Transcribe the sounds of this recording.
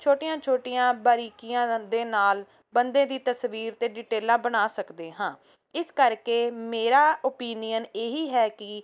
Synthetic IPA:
t͡ʃʰoːʈɪjãːt͡ʃʰoːʈɪjãːbaːɾiːkɪjãːd̪eːnaːl | bənd̪ẽːd̪iːt̪əsʋiːɾt̪eːɖɪːʈeːlãːbəɽ̃aːsəkd̪eːɦãː | ɪskəɾkeːmeːɾaːoːpiːnijəneːɦiːɦɛːkɪ

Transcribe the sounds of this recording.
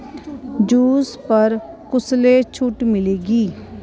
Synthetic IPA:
d͡ʒuːspəɾkʊsleːt͡ʃʰʊʈmɪleːɡiː

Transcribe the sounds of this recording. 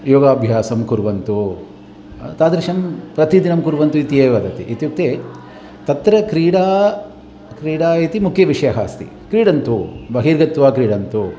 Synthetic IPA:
joːɡaːbʱjaːsɐmkuɾʋɐnt̪u | t̪aːd̪ɾɐʃɐmpɾɐt̪id̪inɐmkuɾʋɐnt̪uit̪ijeːʋɐd̪ɐt̪ḭʔit̪juk̚t̪eː | t̪ɐt̪ɾɐkɾiːɽaː | kɾiːɽaːit̪imukʰːjɐʋiʂɐjɐɦa̰ːst̪ḭ | kɾiːɽɐnt̪ubɐɦiːɾɡɐt̪ʋaːkɾiːɽɐnt̪u

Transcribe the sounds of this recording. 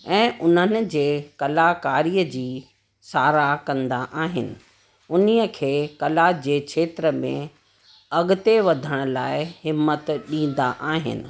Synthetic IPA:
ɛ̃ːʔʊn̤ənɪ̆d͡ʑeːkɐlakaːɾiːəd͡ʑiː | saːɾakɐ̃nd̪aʔaːɦɪnɪ̆ | ʊniəkʰeːkɐlad͡ʑeːkʃʰeːt̪ɾəmḛ̃ | ɐɠʊt̪eʋɐd̪ʱəɽ̃ʊ̆laːɪhɪmːət̪ɗĩːn̆d̪aʔaːɦɪ̰nɪ̰̆

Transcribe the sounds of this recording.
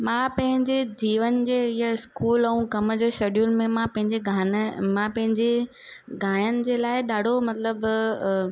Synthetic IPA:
mãːpɐ̃ɦɪ̃ɲd͡ʑed͡ʑiːʋənd͡ʑeːɪjaɪskuːlɛũkɐmd͡ʑeːʃeːɗijʊlmẽmãpɐ̃ɦɪ̃ɲd͡ʑeɡʱamãpɐ̃ɦɪ̃ɲd͡ʑe | ɡʱaːjənɪ̆d͡ʑeːlaːɪɗaːɖ̤ʱomɐt̪ləb

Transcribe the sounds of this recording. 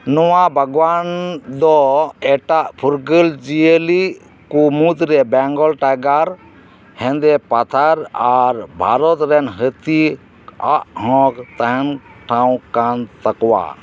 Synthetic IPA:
nɔwabʱəɡwand̪ɔɛʈaʔpʰuɾɡəld͡ʒiəli | kumud̪ɾɛbɛŋɡɔlʈaɡaɾ | hɛ̃nd̪ɛpat̪ʰaɾaɾbʱaɾɔt̪ɾɛnɦət̪i | aʔhɔ̃kt̪aɦɛnʈʰãw̃kant̪akɔwa̰

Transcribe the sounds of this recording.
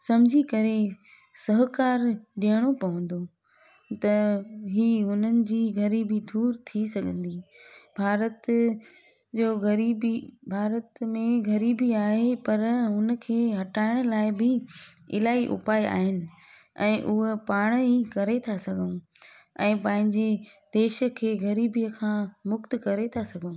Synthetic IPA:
sɐmd͡ʑʱikɐɾe | sɐɦkaːɾɗiɦəɽ̃opɐʋə̃nd̪o | t̪ɐɦiːɦʊn̤ənɪ̆d͡ʑiːɡʱɐɾibid̪ʱuːɾt̪ʰisɐɡʱə̃nd̪iːbʱaːɾət̪ | d͡ʑoːɡʱɐɾibibʱaːɾət̪mẽɡʱɐɾiːbiaːɦepɐɾɦʊnə̆kʰeːɦɐʈaːɪɽ̃laːɪbɪɪ̰laːiʔʊ̰paːiʔa̰ːɦɪnɪ̆ | ɛ̰̃ːʔʊɦepaːɽ̃ikɐɾet̪ʰasɐɡʱəũ | ɛ̃ːpɐ̃ɦɪ̃ɲd͡ʑed̪eːʃə̆kʰeːɡɐɾiːbijəkʰãːmʊkt̪kɐɾet̪ʰasɐɡʱəũ

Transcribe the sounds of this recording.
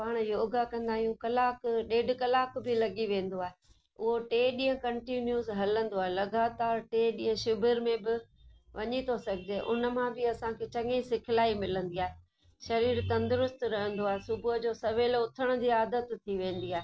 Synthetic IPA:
paːɽ̃joːɡakɐ̃nd̪aːɦijũkɐlaːkɗeːɖkɐlaːkbʱɪlɐɠiʋẽːn̆d̪oaːɦe | ʊɦoʈeːɗĩːə̃kɐ̃ɳʈinjuzɦɐlə̃nd̪oaːelɐɡaːt̪aːɾʈeːɗĩːɦə̃ʃʊbʱəɾmẽbɪ | ʋɐɲit̪ʰosɐɡʱɪd͡ʑeːʔʊ̰nə̆mãbʱɪɐsãkʰet͡ɕɐ̃ŋeĩsɪkʰɪlaːimɪlə̃nd̪iaːɦe | ʃɐɾiːɾt̪ɐ̃nd̪ʊɾʊst̪ɾɐɦə̃n̆d̪oaːɦesʊbʱʊɦʊd͡ʑoːsɐʋeːlʊt̪ʰəɽ̃ʊ̆d͡ʑiːaːd̪ət̪t̪ʰiʋẽːn̆d̪iaːɦe

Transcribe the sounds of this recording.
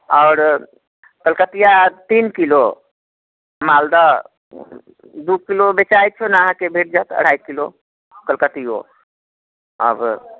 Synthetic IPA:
ɔːɾ | kəlkət̪ijat̪inkilo | mald̪a | d̪ukilobet͡ʃajt̪̚t͡ʃʰonaəɦãkebʱeʈ̚d͡ʒat̪ə̰ɽ̤ajkilo | kəlkət̪ijo̰ | ə̰b

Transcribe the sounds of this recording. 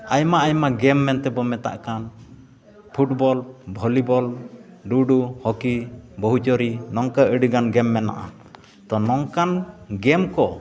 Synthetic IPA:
ajmaʔajmaɡɛmːɛnt̪ɛbɔmɛt̪a̰ʔkan | pʰuʈbɔlbʱɔlibɔl | ɖuɖuhɔkibɔɦut͡ʃɔɾinɔŋkaəɖiɡanɡɛmːɛna̰ʔa̰ | t̪ɔnɔŋkanɡɛmkɔ

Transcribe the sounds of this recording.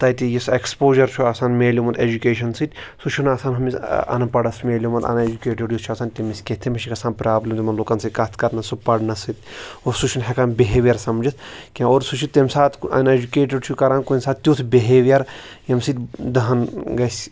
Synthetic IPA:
t̪ɐt̪ʲijisekspoːʒɐɾt͡ʃʰuaːsaːnmeːliumɐnt̪ed͡ʒukeːʃɐnsɨt̪ʲsut͡ʃʰunaːsaːnɦɐmisɐ̰nɐpɐɽɐsmeːlʲumɐt̪ɐ̰ned͡ʒukeːʈɐɖjust͡ʃʰaːsaːnt̪ʲemiskʲet̪ʰimɐʃʰikɐsaːnpɾaːblɐmt̪ʲmɐnlokɐnsɨkɐt̪ʰkɐɾnɐsupɐɽnɐsɨt̪ʲoɾsut͡ʃʰunɦekanbʲeɦeːʋjɐɾsɐmd͡ʒɐt̪ʰkʲẽoːɾsut͡ʃʰut̪ʲemsaːt̪ʰkɐ̰ned͡ʒukeːʈɐɖt͡ʃʰukɐɾaːnkonʲsaːt̪̚t̪ʲjoːt̪ʰbeɦeʋjɐɾ | jɐmsɨt̪ʲd̪ɐɦɐnɡɐsʲ

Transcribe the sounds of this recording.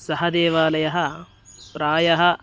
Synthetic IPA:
sɐɦɐd̪eːʋaːlɐjɐɦɐ | pɾaːjɐɦɐ

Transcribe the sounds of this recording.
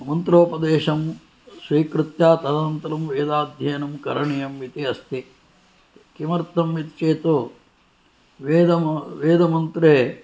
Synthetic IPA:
mɐnt̪ɾoːpɐd̪eːʃɐm | sʋiːkɾɨt̪jaːt̪ɐlɐɐnt̪ɐɾɐmʋeːd̪aːd̪ʱjɐjnɐmkɐɾɐɳijɐmʋit̪iɐst̪i | kimɐɾt̪ːɐmʋit̪t͡ʃeːt̪u | ʋeːd̪ɐʋeːd̪ɐmɐnt̪ɾeː

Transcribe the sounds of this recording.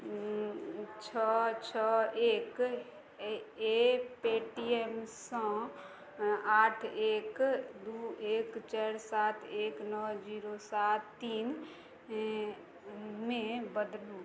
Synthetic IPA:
t͡ʃʰɔt͡ʃʰɔeːk | epeʈiemsə̃ | aːʈʰeːkd̪uekt͡ʃɛɾsat̪ʰeːknɔd͡ʒiɾosat̪ːiːn | mẽbəd̪lu

